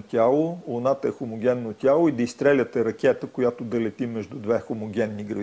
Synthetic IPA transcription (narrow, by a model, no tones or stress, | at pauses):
t̪ʲalˠolʊnat̪əɛxomoɡʲɛnːot̪ʲalˠoid̪ɐist̪ɾɛlʲət̪ɛɾɐkʲɛt̪əkojat̪od̪ɐlɛt̪imɛʒd̪ud̪vɛxomoɡʲɛnːiɡɾɐv